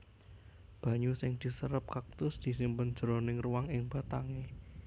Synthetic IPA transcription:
b̥ä̤ɲusɪŋd̪̥i̤səɾəp̚kak̚t̪ʊsd̪̥i̤simpənd̥d͡ʒ̥əɾonɪŋruwaŋɪŋb̥a̤t̪aŋe

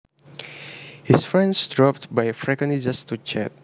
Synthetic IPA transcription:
hisfɹɛ̃nsdɹɔp̚tbajfɹɛkə̃nizəstʰut͡ʃɛt̚

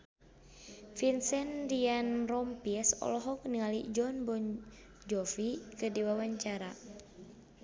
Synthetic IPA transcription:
finsɛndianrɔmpiɛsɔ̰lɔɦɔk̚niŋalid͡ʒɔnbɔn | d͡ʒɔfikɨdiwawaɲt͡ʃaɾa

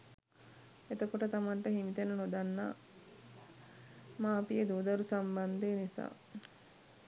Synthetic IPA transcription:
et̪əkoʈət̪amaɳʈəɦimit̪enənod̪anːa̰ː | maːpied̪uːd̪əɾusamband̪eːnisa̰ː

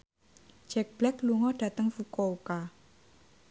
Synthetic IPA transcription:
d͡ʒ̥ɛk̚b̥lɛkluŋɔdɖ̥ä̤t̪əŋfukɔuka

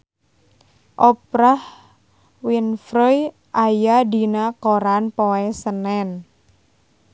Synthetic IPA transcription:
ʔɔpɾah | winfɾɔj | ʔajadinakoɾanpoɛsənɛn

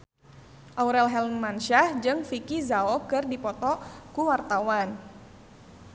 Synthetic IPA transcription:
ʔauɾɛlɦɛlmanʃahd͡ʒɨŋfikizaɔkɨrdipɔt̪ɔkuwart̪awan

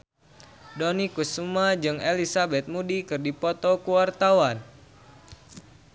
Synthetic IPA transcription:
donikusumad͡ʒɨŋelisabɛt̪̚mudikɨrdipɔt̪ɔkuwart̪awan

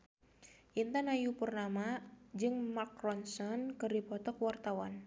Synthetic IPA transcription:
ʔint̪anajupərnamad͡ʒɨŋmakɾɔnsɔnkɨrdipɔt̪ɔkwart̪awan

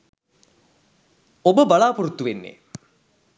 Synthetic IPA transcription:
obəbalaːpuɾut̪ːuʋenːḛ

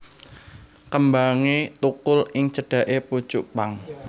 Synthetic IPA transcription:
kəmbaŋet̪ukʊlɪŋt͡ʃəɖ̥ä̤ʔepu̥ʒ̥ʊʔpaŋ

